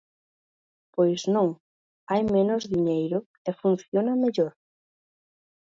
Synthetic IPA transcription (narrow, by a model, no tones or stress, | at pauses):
pojznõŋ | ajmẽnʊzðiɲejɾʊ | efun̟θjonɐmeʎoɾ